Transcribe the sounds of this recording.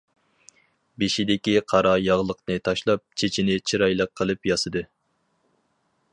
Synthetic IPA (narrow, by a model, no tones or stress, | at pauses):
beʃid̪ɪkʲiqʰɑɾɑjɑʁlˠəqnɨt̪ʰɑʃlˠɑp̚t͡ʃʰet͡ʃʰinɪt͡ʃʰiɾɑjlˠəqʰːəlˠɨpjɑsɨd̪ɨ